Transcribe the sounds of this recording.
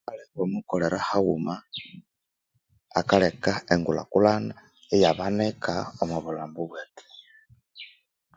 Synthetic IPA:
aleβomukoleɾahaɣuma | akalekaeŋɡula̰kulana | ejaβanekaomuβulaːmbuβwete̥

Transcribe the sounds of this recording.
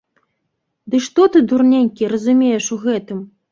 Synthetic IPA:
d̪ɨʂt̪ɔt̪ɨd̪urnʲanʲkʲiɾɐzumʲejɛʂuɣɛt̪ɨm

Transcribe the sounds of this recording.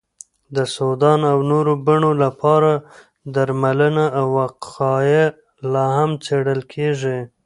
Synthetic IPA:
d̪əsod̪ɑnawnoɾobaɳolapɑɾa | d̪aɾmalənaːwaqɑje | lɑhamt͡seɽəlkʰeʐi

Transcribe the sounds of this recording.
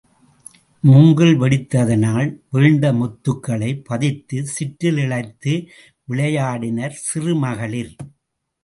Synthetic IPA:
mʊŋɡɯɭʋɛɽɪt̪ːɐðɐnaːlʋeːɳɖɐmɔt̪ːɯkːɐɭɐɪpːɐðɪt̪ːɯsɪʈːɪlɪɭɐɪt̪ːɯ | ʋɪɭɐjaːɽɪnɐɾsɪrɯmɐɣɐɭɪl

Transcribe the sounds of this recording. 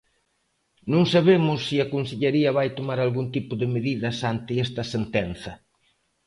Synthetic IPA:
nõŋsaβemʊsːiɐkonseʎeɾiɐβajt̪omaɾalɣunt̪ipʊðɪmeðiðɐsant̪ɪɛst̪ɐsent̪ɛnθɐ

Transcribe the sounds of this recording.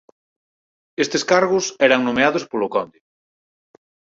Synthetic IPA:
est̪eskaɾɣʊsɛɾaŋnõmeaðʊspolʊkɔnd̪ɪ

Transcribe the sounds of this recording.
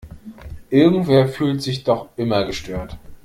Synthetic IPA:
ʔɪɐɡŋ̩tv̥eːɐfyːltz̥ɪçd̥ɔχʔɪmɐɡəʃtøːɐt

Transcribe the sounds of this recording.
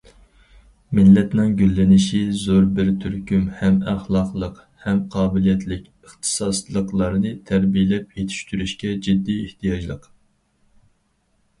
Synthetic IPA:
mɪlːɛt̪nɪŋɡʲylːɪnɪʃizoɾbɪɾt̪ʰyɾkʲymhɛmæχlˠɑqlˠəq | hɛmqʰɑːbɪlijɛt̪ʰlɪkʲəχt̪ʰɨ̥sɑslˠəqlˠɑɾnɨt̪ʰæɾbijɪlɛp̚jet̪ʰi̥ʃt̪yɾyʃkʲɛd͡ʒid̪ːieht̪ʰijɑd͡ʒlˠəq

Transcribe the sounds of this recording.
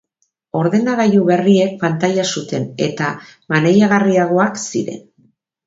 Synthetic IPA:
o̞ɾðe̞naɣajuβe̞rie̞k̚pant̪ajasut̪e̞ne̞̰t̪amane̞jaɣ̞ariaɣ̞o̞aksiɾe̞̰n

